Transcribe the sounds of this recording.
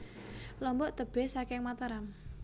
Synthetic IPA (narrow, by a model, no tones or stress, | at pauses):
lɔmbɔʔt̪əb̥ɛ̤hsakɪŋmat̪aɾam